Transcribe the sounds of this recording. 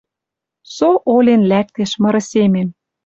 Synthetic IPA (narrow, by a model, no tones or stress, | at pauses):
soʔolenlæk̚t̪eʃmɤ̆ɾɤ̆semem